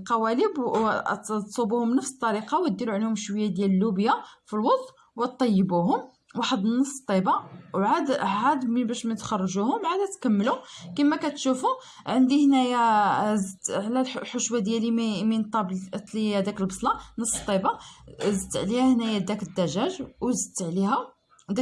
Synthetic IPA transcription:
qɑwæləb | t̪sˤubuhʊmnəfst̪ˤːɑɾiqɑwət̪̚d̪ːiɾuʕlhumʃwəjːad̪jæləlːubjafilwɑt̪ˤ | wæt̪ˤːɑjːəbuɦʊm | waħəd̪nːəsˤːə̥t̪ˤːibɑwʕad̪hæd̪mbæʃmæjət̪xɑrˤːɑʒuhʊmʕad̪æt̪kæmːlukimːækæt̪ʃufu | ʕənd̪ihnæjæzʕlællħʊʃwæd̪jælimmint̪ˤɑblt̪ˤliæd̪ækəlbɑsˤlɑnəsˤːt̪ˤːibɑzət̪ʕlihæhnæjæd̪ækəd̪ːæʒæʒwzət̪ːʕlihæ | d̪æ

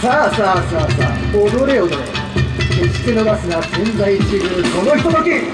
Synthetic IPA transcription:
sasaːsaːsa̰ːod̪oɾeod̪o | keɕi̥k̪enobasɨnasẽnd͡zait͡ɕiɾɯkonoçʲi̥t̪ot̪okʲi

